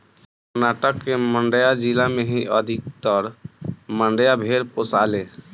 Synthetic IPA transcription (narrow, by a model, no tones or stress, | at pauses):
kəɾnaːʈəkːemə̃ɳɖəjad͡ʒilamẽɦiʔəd̪ʱɪk̚t̪ɔɾmə̃ɳɖəjabʱeːɾposaːlẽː